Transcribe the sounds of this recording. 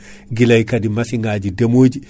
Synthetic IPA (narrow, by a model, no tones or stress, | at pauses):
ɡilajkadimasiŋɡaːd͡ʒidemoːd͡ʒi